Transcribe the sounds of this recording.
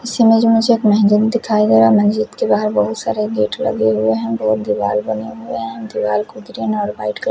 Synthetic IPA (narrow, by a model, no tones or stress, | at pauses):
ɪsimẽd͡ʒomʊd͡ʒʱeːkmɛɦd͡ʒəd̪d̪ɪkʰaːiɡɐɾamɐnd͡ʒɪt̪kebaːɦəɾbɐɦʊt̪saːɾeɡeːʈlɐ̰ɡeɦʊeɦɛ̃bɐɦʊt̪̚d̪ɪʋaːlbɐnḛɦʊeɦɛ̃d̪ɪʋaːlkud̪ɾinɔːɾbaːɪʈk